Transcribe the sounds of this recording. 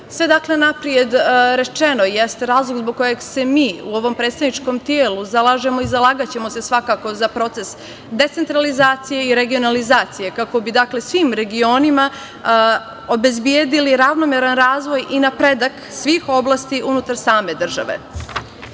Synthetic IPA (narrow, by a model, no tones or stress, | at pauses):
sʋe̞d̪akle̞napɾije̞d̪ɾe̞t͡ʃe̞no̞jest̪eɾaːzlˠoɡzboɡ̚kːo̞jeɡse̞miːuo̞ʋo̞mpɾet̪st̪aʋnit͡ʂko̞mt̪jeːluzalˠaʒe̞mo̞izalˠaːɡat͡ɕe̞mo̞se̞sʋakako̞zapɾo̞t̪e̞s | d̪e̞t̪sent̪ɾalizaːt̪sije̞iɾe̞ɡio̞nalizaːt̪sije̞kako̞bid̪akle̞sʋiːmɾe̞ɡio̞nima | o̞be̞zbjed̪iliɾaʋnomeɾanɾaːzʋo̞jʔinapɾed̪ak | sʋiːxo̞blˠast̪iʔunut̪aɾsaːme̞d̪r̩ʒa̰ʋḛ